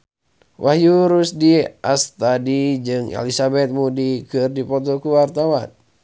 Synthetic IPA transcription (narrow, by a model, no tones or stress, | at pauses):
wʔahjuɾusdiast̪adid͡ʒɨŋɛ̰lisabɛt̪̚mudikɨrdipɔt̪̬ɔkuwart̪awan